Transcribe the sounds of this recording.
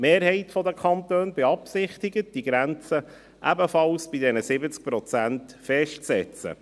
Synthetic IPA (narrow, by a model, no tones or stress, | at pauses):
meːɾhɛɪtfɔd̪əkʰɑnt̪øːnbɛɑpsɪχt̪ɪɡət̚d̥iɡɾænt͡sə | ʔæbəfɑlsb̥idɛnəsɪbət͡sk̚pɾɔt͡sæntfɛʃtt͡sɛt͡sə̰